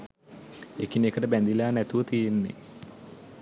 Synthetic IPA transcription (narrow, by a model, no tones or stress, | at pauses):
ekinekəʈəbænd̪ilaːnæt̪uʋət̪ijenːḛ